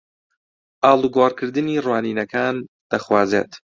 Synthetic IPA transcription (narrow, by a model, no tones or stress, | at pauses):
ʔaːlˠuɡwaːɾkʰɨɾd̪ɨniːrwaːniːnɐkʰaːn | d̪̥ɐxwaːzḛːt̪